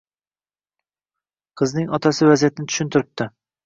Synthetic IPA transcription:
qʰɨznɪŋɒt̪ʰasɪvazijat̪ʰɪnɪt̪ʰʊ̥ʃʊnt̪ʰɪɾɪp̚t̪ɪ

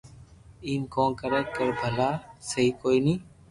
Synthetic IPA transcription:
iːmkõːnkəɾɛːkəɾbʱəlaːsəɦiːkoːiːnĩː

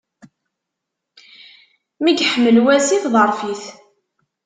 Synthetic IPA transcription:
miɡħəmːəlwæsiθðˤəɾˤfiθ

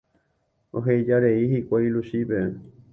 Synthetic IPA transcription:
oɦejd͡ʒaɾeiɦikʷailuʃipe

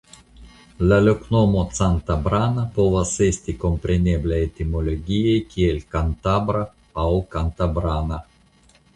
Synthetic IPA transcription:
lʲalʲoknomot̪sant̪abɾanapovasesʲt̪ʲikompɾʲenʲeblʲaet̪ʲimolʲoɡʲijejkʲielʲkant̪abɾa | awkant̪abɾana

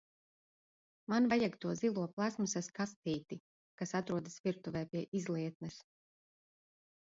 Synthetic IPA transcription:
manvajaɡt̪uɔzilˠuɔplˠasmusaskast̪iːt̪i | kasat̪ɾuɔd̪asviɾt̪uvɛːpʲiɛʔizlˠiɛt̪̚nɛs

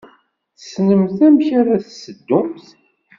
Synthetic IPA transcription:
θsnəmθæmçaɾaθsəd̪ːʊmθ

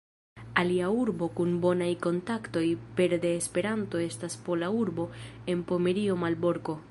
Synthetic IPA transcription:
aliauɾbo̞kunbo̞najko̞ntakto̞jpe̞ɾde̞ːspe̞ɾanto̞e̞staspo̞lauɾbo̞e̞npo̞me̞ɾio̞malbo̞ɾko̞

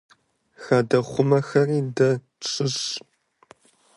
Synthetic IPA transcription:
xaːdɐχʷʊmɐxɐriːdɐ | ʈ͡ʂʼɨɕ

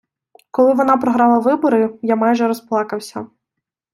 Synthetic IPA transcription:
kɔlˠɪʋɔnɑpɾɔɦɾɑlˠɐʋɪbɔɾɪjamajʒɛɾɔsplˠɑkɐwsʲɐ̰

